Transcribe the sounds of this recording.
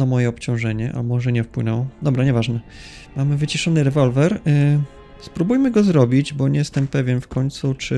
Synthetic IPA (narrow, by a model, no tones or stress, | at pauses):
amɔjɛɔpt͡ɕɔ̃w̃ʐɛɲɛʔa̰mɔʐɛɲɛfpwɘnɔwd̪ɔbɾaɲɛvaʐnɛ | mamɘvɘt͡ɕiʂɔnɘɾɛvɔlvɛɾ | spɾubujmɘɡɔzɾɔbʲid͡ʑbɔɲɛjɛst̪ɛmpɛvʲjɛnfkɔɲʲt̪sut͡ʂɘ